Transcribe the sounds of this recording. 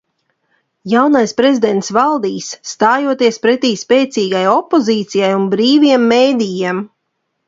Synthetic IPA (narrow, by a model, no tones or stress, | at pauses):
jawnajspɾezʲid̪ɛnt̪svalˠd̪iːsːt̪aːjuɔt̪iɛspɾɛt̪iːspɛːt̪siːɡajɔpːɔziːt̪sijajunbɾiːviɛmːeːd̪ijiɛm